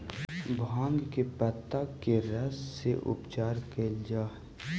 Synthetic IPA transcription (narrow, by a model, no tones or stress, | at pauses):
bʱãːŋɡkepət̪ːakeɾɐsːeʔʊ̰pt͡ʃaːɾkeld͡ʒaː